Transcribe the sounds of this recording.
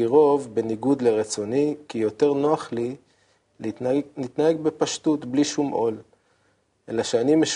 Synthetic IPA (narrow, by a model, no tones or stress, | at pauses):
iʁo̞vbe̞niɡud̪leʁet͡so̞nikijo̞te̞ʁnoaχli | nit̪nahe̞ɡ̚be̞paʃtut̪bliʃumʔo̞̰l | ʔelaʃeanimeʃ